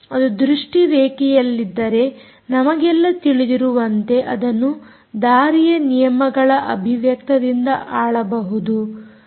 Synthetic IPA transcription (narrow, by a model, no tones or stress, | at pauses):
ɐd̪ud̪ɾuʂʈiʋeːkijɐlːid̪ːɐɾe̞ | nɐmɐɡɛlːɐt̪iɭid̪iɾuʋɐnt̪e̞ʔɐd̪ɐnːu | d̪aːɾijɐnijɐmɐɡɐɭɐʔɐbʱiʋjɐkt̪ɐd̪ind̪ɐʔaːɭɐbɐɦud̪u